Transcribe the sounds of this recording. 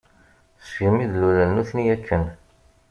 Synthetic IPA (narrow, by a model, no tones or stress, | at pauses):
θsʝmiðlulælnuθnijækʰːən